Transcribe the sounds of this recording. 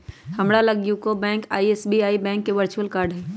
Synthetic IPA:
hɐmɽalɐɡjukobɛ̃ːŋka̰ːiesbiaːibɛ̃ːŋkːeʋəɾt͡ʃuwəlkaːɾɖɦɛː

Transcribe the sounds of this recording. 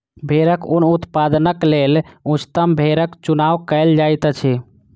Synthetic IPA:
bʱeɾəkunut̪pad̪nəklelut͡ʃt̪əmbʱeɾəkt͡ʃunawkəɪld͡ʒajt̪ət͡ʃʰɛ

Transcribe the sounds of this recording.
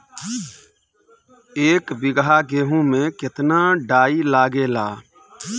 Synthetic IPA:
eːkbɪɡɦaːɡeːɦũmẽkɪt̪naːɖaːilaːɡeːlaː

